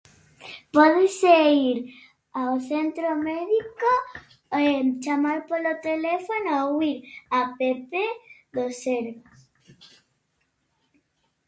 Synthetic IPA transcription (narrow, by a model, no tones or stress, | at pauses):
pɔðeseiɾ | awθent̪ɾomeðiko | et͡ʃamaɾpolot̪elefonoawiɾapepeðoseɾβas